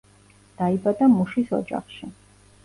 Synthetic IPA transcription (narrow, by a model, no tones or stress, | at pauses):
d̪̥aibad̪amuʃisɔ̰d͡ʒa̰χʃi